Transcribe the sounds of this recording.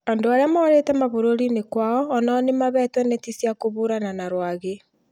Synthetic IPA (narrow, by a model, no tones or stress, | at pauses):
andoaɾeamaoɾetɛmaβoɾoɾinekwaɔːnanemaβɛːtwɛnetisjakoβoɾananaɾwaɣe